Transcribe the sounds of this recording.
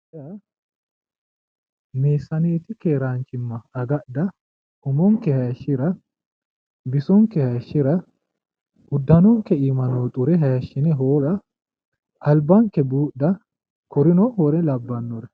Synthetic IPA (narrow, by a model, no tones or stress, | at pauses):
ɐ | meːsːɐneːt̪ɪkeːɾaːnt͡ʃɪmːɐɐɡɐʔd̪ɐ | ʔʊmɔŋkːɛhɐjɐʃːɪɾɐ | bɪsɔŋkːɛhɐjɐʃːɪɾɐ | ʊd̪ːɐnɔŋkːɛiːmɐnoːt̪ʼʊɾɛɦɐjɐʃːɪnɛɦoːɾɐ | ʔɐlbɐŋkːɛbuːɐ | kɔɾɪnɔhɔɾɛlɐbːɐnːɔɾɛ